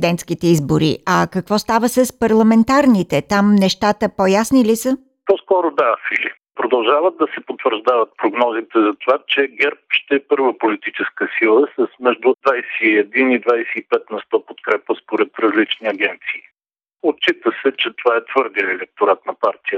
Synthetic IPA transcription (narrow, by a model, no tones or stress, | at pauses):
d̪ɛnt̪sk̟it̪ɛizboɾḭʔɐkɐkvɔst̪avəsəspɐɾlˠɐmɛnt̪aɾnit̪ɛt̪amnɛʃt̪at̪əpɔjasnilisə | pɔskɔɾʊd̪afili | pɾod̪ɐlˠʒavəd̪̚d̪ɐsɛpot̪vəɾʒd̪avət̪̚pɾoɡnɔzit̪ɛzɐt̪ovat͡ʃɛɡʲɛɾp̚ʃt̪ɛɛpɤɾvəpolit̪it͡ʃɛskəsilˠəsəsmɛʒd̪ʊd̪vajsɛiɛd̪inid̪vajsɛipɛt̪nɐst̪ɔpot̪kɾɛpəspoɾɛt̪ɾɐzlit͡ʃniɐɡʲɛnt̪siː | ott͡ʃit̪əsɛt͡ʃɛt̪ovaɛt̪vɤɾd̪ɛɛlɛk̚t̪oɾat̪nɐpaɾt̪ijə